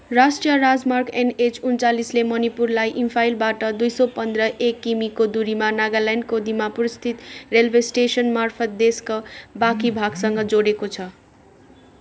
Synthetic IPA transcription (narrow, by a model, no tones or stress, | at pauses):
rasʈrijʌɾad͡zmarkenet͡sunt͡salislemʌnipurlajʔimpʰajlbaʈʌd̪ujsʌpʌnd̪rʌʔekːimikod̪uɾimanaɡalanɖkod̪imapuɾist̪ʰit̪relbʱesʈesʌnmarpʰʌt̪̚d̪eskobakibʱaɡsʌŋɡʌd͡zoɽekot͡sʰʌ